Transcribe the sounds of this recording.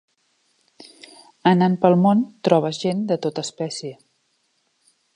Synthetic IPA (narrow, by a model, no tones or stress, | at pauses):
ənanpəlˠmont̪ɾɔβ̞əzʒend̪ət̪ot̪əːspɛsjə